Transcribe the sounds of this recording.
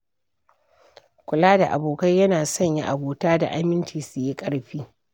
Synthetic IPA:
kʷʊ˨laː˦da˨ʔa̰˨boː˨kɐ˦jjɐ˦naː˨sɔ˦˨ɲji˦ʔa˨boː˨taː˦da̰˨ʔa˦mɪ˦nt͡ʃiː˨sʊ˨ji˦kʼɐ˦ɽɸiː˦

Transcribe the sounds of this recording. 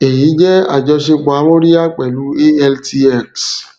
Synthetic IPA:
e˨j̃ĩ˨˦d͡ʒɛ˦a̰˨d͡ʒɔ˧ʃe˧k͡pa˨˦mõ˦ɾi˦a˦˨k͡pɛ˨lu˨˦e˦ɛ˧lti˧ɛ˦˨ks

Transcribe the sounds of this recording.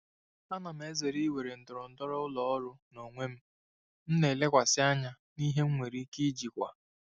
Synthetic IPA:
a˦na˨m̩˦e˦ze˨ɾi˦we˨ɾe˨n̩˨dʊ˨ɾʊ˨n̩˨dɔ˦ɾɔ˦ʊ˦lɔ˦ɔ˦ɾʊ˦no˨ŋʷe˦m̩˦ | n̩˦ne˨le˦kʷa˨sɪ˦a˦ɲa˦ | ni˦ɦe˦ŋ̩˦ŋʷe˨ɾi˦ki˦d͡ʒi˨kʷa̰˨

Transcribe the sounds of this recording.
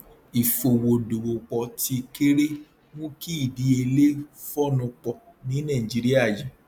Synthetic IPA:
i˨fo˨wo˨do˨wo˨k͡pɔ˨ti˧ke˦ɾe˦ | mõ˦ki˦i˦˨di˨˦e˧le˦fɔ˦nũ˧k͡pɔ˧ | nĩ˨˦nã˦˨d͡ʒi˨˦ɾi˦a˦˨d͡ʒi˨˦

